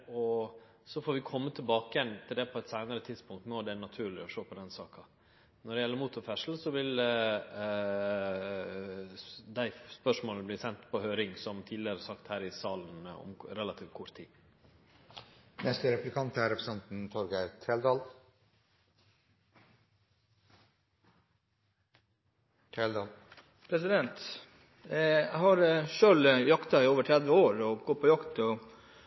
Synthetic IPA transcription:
ɔ | sɔfoːɾʋɪkʰɔmːət̪ʰɪlbɑːkəjɛnːt̪ʰɪld̪ɛpʰɔɛt̪sæɪnəɾət̪ʰɪd̪spʊŋk̚t̪noːd̪ɛæɳɑt̪ʰʉːɾɭɪɔʂoːpʰɔd̪ɛnsɑːkɑ | nɔɖɛjɛlːəɾmuːt̪ʊɾfɛʂl̩sɔʋɪl | d̪æɪspœʂmoːlnəbliːsɛnt̪pʰɔhøːɾɪŋsɔmt̪ʰiːd̪lɪəɾsɑkt̪hæːɾɪsɑːlnɔ̰mɾɛlɑt̪ʰiːʋt̪̚kʰʊɾt̪ʰːḭː | nɛst̪əɾɛplɪkʰɑnt̪æɾɛpɾəsɛnt̪n̩t̪ʰɔɾɡəæɾt̪ʰeːld̪ɑːl | t̪ʰeːld̪ɑːl | pʰɾɛsɪd̪ɛnt̪ | æɪhɑɾʃøːljɑkt̪ɑɪoːʋəʈʰɾɛd̪ʋəoːɾɔɡɔpʰɔjɑkt̪ɔ

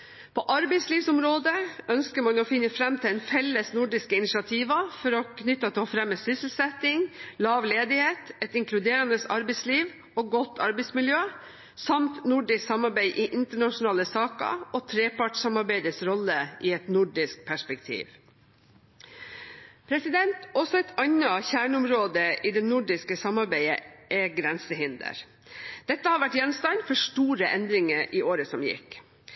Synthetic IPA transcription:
pʰɔʔɑɾbɛɪsliːʋsʊmɾoːd̪əʔœnskəmɑnɔːfɪnːəfɾɛmt̪ʰɪlɛɪnfɛlːəsnʊɖɪskəɪnɪsɑt̪ʰiːʋɑfɔɾɔkʰnʏt̪ːɑt̪ʰɪɔfɾɛmːəsʏsl̩sɛt̪ɪŋlɑːʋleːd̪ɪheːt̪ɛt̪ɪŋkʰlʉd̪eːɾɑnd̪əsɑ̰ɾbɛɪsliːʋ | oːɡɔt̪ːɑɾbɛɪsmɪljøː | sɑmt̪nʊɖɪsksɑmɑɾbæɪʔiːʔɪnt̪əɳɑʂʊnɑːləsɑːkə̰ʔoːt̪ʰɾeːpɑʈsɑmɑɾbæɪd̪əsɾɔləʔiːɛt̪nʊɖɪsk̚pʰæʂpɛkt̪ʰḭːʋ | pʰɾɛsɪd̪ɛnt̪ɔsɔɛɪt̪ʰɑnəçæːɳʊmɾoːd̪əʔiːd̪ɛnʊɖɪskəsɑmɑɾbæɪəʔɛɡɾɛnsəhɪnd̪ə̰ɾ | d̪̥ɛt̪ːəhɑːʋæʈjɛnst̪ɑnfɔʂʈuːɾəʔɛnd̪ɾɪŋəɾʔiːʔoːɾəsɔmjɪ̰k

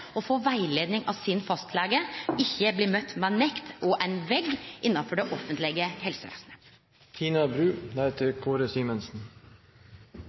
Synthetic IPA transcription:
ɔfoːʋæɪleːd̪nɪŋɑsɪnfɑst̪ʰlæːɡəɪçːəbliːmœt̪ːmeːnɛkt̪ʔɔʔæɪnʋɛɡʔɪnːɑfɔɖɛʔɔfənt̪lɪɡəhɛlsəʋæ̰ːsnə | t̪ʰiːnɑbɾʉːnæɪt̪ʰəɾkʰoːɾəsiːmənsn̩

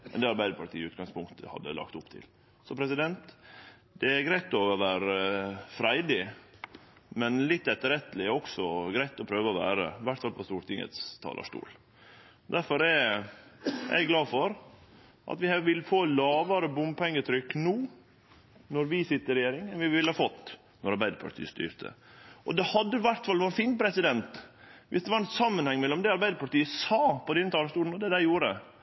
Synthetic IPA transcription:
mɛ̰nd̪ɛɑɾbæɪd̪əɾpʰɑʈ̪ʰḭːʉːt̪ɡɑŋspʰʊŋkt̪ʰəhɑ̰d̪ːə̰lɑ̰kt̪ʊpt̪ʰɪ̰l | sɔpʰɾɛsɪd̪ɛnt̪ | d̪̥ɛæɾɡɾæɪt̪ɔʋæːɾəfɾæɪd̪ɪ | mɛnlɪt̪ːɛt̪ːəɾɛt̪ːəlɪɔksɔɡɾæɪt̪ɔpʰɾøːʋəɔʋæ̰ːɾə̰ʋæʈːfɑlpʰɔst̪uːɾt̪ɪŋə̰t̪st̪ʰɑ̰ːlə̰ʂʈṵːl | d̪æɾfɔɾɛ | ʔæ̰ɡɡlɑːfɔɾ | ʔɑ̰t̪ʋɪɑʋɪlːfoːlɑːʋəɾəbʊmpʰɛŋːət̪ʰɾʏkːnuː | nɔɾʋɪsɪt̪ːəɾɛjeːɾɪŋɛnʋɪʋɪləhɑfɔt̪ː | nɔɾɑɾbæɪd̪əɾpʰɑ̰ʈʰḭːəst̪y̰ːɾt̪ʰə̰ʔɔd̪ɛhɑd̪ːəʋæɾʈ̪fɑlʋɔɾnfiːnpʰɾɛsɪd̪ɛnt̪ʋʔɪsd̪ɛʋɑɾɛnsɑmːənhɛŋːmɛlːɔmd̪ɛɑɾbæɪd̪əɾpʰɑʈiːəsɑːpɔd̪ɛnːət̪ʰɑːləʂʈuːln̩ɔd̪ɛd̪æɪjuːɾə

